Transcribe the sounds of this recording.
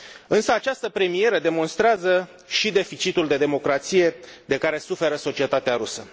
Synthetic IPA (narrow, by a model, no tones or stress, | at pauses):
ɨnsəat͡ʃast̪əpɾe̞mije̞ɾəd̪e̞mo̞nst̪ɾeazə | ʃid̪e̞fit͡ʃit̪uld̪e̞d̪e̞mo̞kɾat̪sije̞d̪e̞kaɾe̞sufe̞ɾəso̞t͡ʃie̞t̪at̪eaɾusə